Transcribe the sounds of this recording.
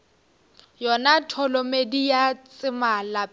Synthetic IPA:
jɔnatʰɔlɔmedijat͡sʼɪmala

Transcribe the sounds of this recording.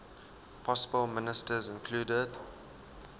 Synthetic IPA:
pʰɔsəbəlˠmɪnɪstəzɪ̃nkʰluːdəd

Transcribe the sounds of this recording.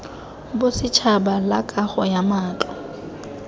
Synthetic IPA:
bʊsɪt͡ʃʰabalakʼaχɔjamaːt͡ɬʼɔ

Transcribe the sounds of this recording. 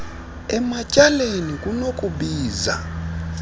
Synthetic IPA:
ɛmacʼalenikʼunokʼuɓiːza̰

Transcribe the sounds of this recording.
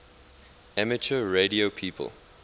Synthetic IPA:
æmət͡ʃəɹediopʰiːpʰə̰lˠ

